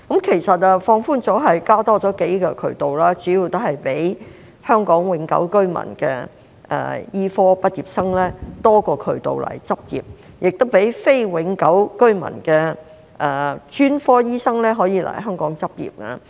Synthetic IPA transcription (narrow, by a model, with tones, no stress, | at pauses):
kɐ˨˥mkʰe˨˩jsɐ˨t̚a˧fɔː˧ŋfuː˥nt͡sɔː˨˥ɦɐ˨jkaː˥t̪ɔː˥t͡sɔː˨˥ke˨˥jkɔ˧kʰɵ̰˨˩ɥt̪o˨wlaː˥t͡ʃyː˨˥jiː˧wt̪o˥hɐ˨jpe˨˥j | hœː˥ŋkɔː˨˥ŋwɪ˨˥ŋkɐ̰˨˥wkɵ˥ɥmɐ̰˨˩nkɛː˧ | ʔɛ̰ː˨jiː˥fɔː˥pɐ˥t̚iː˨p̚sɐ˥ŋlɛː˥t̪ɔː˥kɔː˧kʰɵ˨˩ɥt̪o̰˨wlɐ̰˨˩jt͡sɐ˥p̚jḭː˨˩p̚ | jʔɪ˨k̚t̪o˥wpe˨˥jfe˥jwɪ˨˥ŋkɐ˨˥wkɵ˥ɥmɐ̰˨˩nkɛː˧ | ʔɛː˨t͡ʃyː˥nfɔː˥jiː˥sɐ˥ŋlɛː˥ɦɔː˨˥jiː˨˧lɐ̰˨˩ɦœː˥ŋkɔː˨˥ŋt͡sɐ˥p̚jḭː˨p̚kɐ˧